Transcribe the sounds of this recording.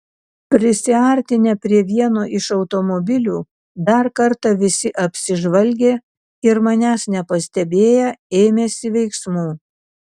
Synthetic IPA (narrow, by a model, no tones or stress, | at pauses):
pʲɾʲɪsʲɪɐɾʲt̪ʲɪnʲɛpʲɾʲiɛʋʲiɛnoːʔɪʃɒʊt̪omɔbʲɪlʲuː | d̪ɐɾkɐɾt̪ɑʋʲɪsʲɪʔɐpʲsʲɪʒʋɐlʲɡʲeː | ɪɾmɑnʲæːsnʲɛpɐsʲt̪ʲɛbʲeːjɛeːmʲeːsʲɪʋʲɛɪksmuː